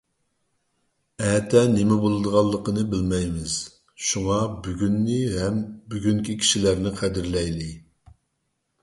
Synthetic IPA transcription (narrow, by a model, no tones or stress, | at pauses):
ɛːt̪ʰɛnɪmɛbolˠɨd̪əʁɑlˠːəqənɨbɪlmɛjmɪz̥ | ʃuŋɑbyɡʲynːɪɦɛmbyɡʲyŋkʲikʲʰi̥ʃilæɾnɪqʰæd̪ɪɾlɛjlɪ